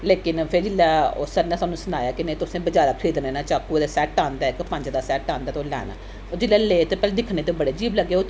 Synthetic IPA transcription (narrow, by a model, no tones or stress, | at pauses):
leːkɪnpʰɪɾd͡ʒɪlːɛːosəɾnaːsaːnũːsʊnaːjaːkɪneːt̪ʊsẽːbəd͡ʒaːɾaːkʰiːd̪nẽːnãːt͡ʃaːkud̪eːsɛːʈaːnd̪ɛːɪkpə̃ɲd͡ʒd̪aːsɛːʈãːnd̪aːt̪oːlɛ̰ːna̰ː | oːd͡ʒɪlːɛːleːt̪eːpɛːled̪ɪkʰneːt̪ebəɽeːd͡ʒiːbləɡːeːo